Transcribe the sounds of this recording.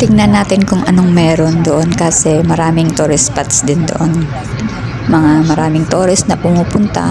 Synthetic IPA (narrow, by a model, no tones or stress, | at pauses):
t̪ɪŋnɐnːaːt̪ɪnkʊŋʔɐ̰no̞ŋmɛːɾo̞nd̪oʔo̞nkasɛmɐɾaːmɪŋt̪uɾɪspɐt̪sd̪ɪnd̪o̰ʔo̞n | mɐŋamɐɾaːmɪŋt̪oːɾɪst̪nɐpʊmuːpʊnt̪ɐ̰